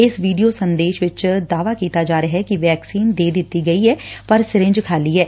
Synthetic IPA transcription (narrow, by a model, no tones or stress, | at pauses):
ɪsʋiːɖijoːsənd̪eːʃʋɪt͡ʃd̪aːʋaːkiːt̪aːd͡ʒaːɾeɦɛːkiʋɛːksiːnd̪eːd̪ɪt̪ːiːɡəiːɦɛːpəɾsɪɾɪ̃ɲd͡ʒkʰaːliːɦɛː